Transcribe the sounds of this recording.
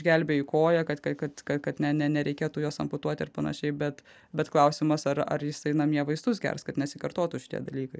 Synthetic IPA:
ʒʲɡʲɛlʲbʲeːɪkoːjɛkɐt̪kɐkɐt̪kɐtkɐt̪nʲɛnʲɛnʲɛɾʲɛɪkʲeːt̪uːjoːsɐmpʊt̪uɔt̪ʲɪɾpɐnɐ̰ʃʲɛɪbʲɛt̪ | bʲɛt̪klˠɐʊsʲɪmɐsɐɾɐ̰ɾjɪsɐɪnɐmiɛʋɐɪzd̪ʊs̬ɡʲɛ̰rskɐt̪nʲɛsʲɪkɐɾt̪oːt̪uːʃʲɪ̥t̪ḭɛd̪ɐlʲiːkɐɪ

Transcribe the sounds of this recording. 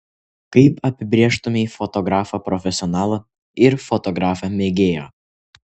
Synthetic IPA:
kɐɪpɐpʲɪbʲɾʲeːʃt̪ʊmʲɪifɔt̪ɔɡɾɑːfɐpɾɔfʲɛsʲɪɔnɑːlˠɐ | ɪɾfɔt̪ɔɡɾɑːfɐmʲeːɡʲeːjo̰ː

